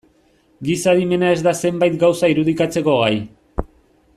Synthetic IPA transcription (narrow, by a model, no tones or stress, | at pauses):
ɡisaðime̞nae̞zd̪ase̞mbajt̪ɡawsaiɾuðikat͡se̞ko̞ɣ̞aj